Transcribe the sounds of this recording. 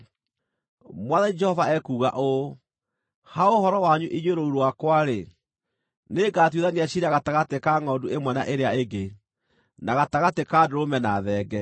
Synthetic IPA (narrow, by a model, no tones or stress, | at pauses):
mwaðaɲid͡ʒɛhɔvaɛkuːɣa̰ʔo | haohɔɾɔwaɲuʔiɲwoɾouɾowakwaɾe | neɡaːt̬wuðaniaɕiɾaɣataɣatekaŋɔduemwɛna̰ʔeɾeaeɡe | naɣataɣatekadoɾomɛnaðɛːɡɛ